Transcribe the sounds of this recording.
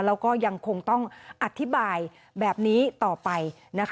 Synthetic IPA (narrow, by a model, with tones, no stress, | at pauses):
lɛː˦˥wkɔː˥˩ja˧ŋkʰo˧ŋt̪ɔ˥˩ŋʔa˨˩t̪ʰːi˦˥baː˧j | bɛː˨˩p̚niː˦˥t̪ɔː˨˩pa˧j | na˦˥kʰ